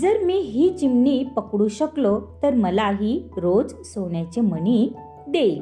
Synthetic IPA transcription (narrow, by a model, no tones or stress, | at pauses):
d͡zəɾmiːɦiːt͡ɕimnipəkɽuːɕəklot̪əɾməlaɦiːɾod͡zsoʋɳjat͡ɕem̤əni | d̪ej